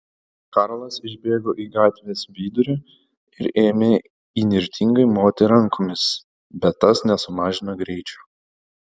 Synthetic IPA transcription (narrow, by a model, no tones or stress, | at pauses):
kɑɾlˠɐsɪʒʲbʲeːɡoːʔiːɡɑːt̪ʲʋʲeːsʋʲiːd̪ʊɾʲʊ | ɪɾeːmʲeː | inʲɪɾʲt̪ʲʰɪŋɡɐɪmoːt̪ʲɛɾɐŋkomʲɪs | bʲɛt̪ːɐsnʲɛsʊmɑːʒʲɪnɐɡɾʲɛɪt͡ʃʲʊ̥ː